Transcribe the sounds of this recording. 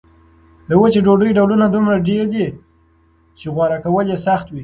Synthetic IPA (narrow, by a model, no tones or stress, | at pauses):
ləwət͡ʃeɖoɖəjɖawlunad̪umɾaɖeɾd̪i | t͡ʃeɣwɑɾakawəljesaxt̪wi